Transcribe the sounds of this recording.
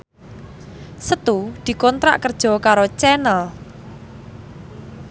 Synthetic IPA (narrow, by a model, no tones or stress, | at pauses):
sət̪ud̪̥i̤kɔnt̪ɾa̰ʔkərd̥ʒ̥ɔ̤kaɾot͡ʃɛnəl